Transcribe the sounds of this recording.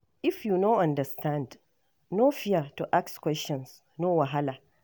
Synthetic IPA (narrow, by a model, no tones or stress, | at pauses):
ʔɪfjunoʔɐ̃ndɐstʰãnd | noːfɪjatuʔakskʷwɛst͡ʃɔ̃ns | nowaɦala